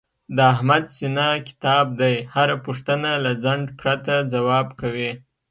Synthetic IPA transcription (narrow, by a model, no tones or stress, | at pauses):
d̪əahmad̪sinakɪ̥t̪ɑb̚d̪ajhaɾapuʂt̪ənalad͡zaɳɖpɾat̪ad͡zawɑbkawi